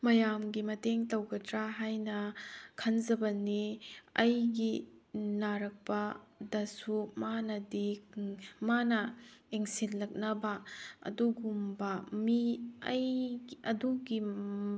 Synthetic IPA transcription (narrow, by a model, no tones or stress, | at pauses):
mɐjamɡimɐteŋtɐwɡɐtɾaɦajnɐkʰɐnzɐbɐniɐjɡinaɾɐk̚pɐdɐsumanɐdi | manɐeŋsinlɐk̚nɐbɐɐ̰duɡumbɐmiɐ̰jɐduɡi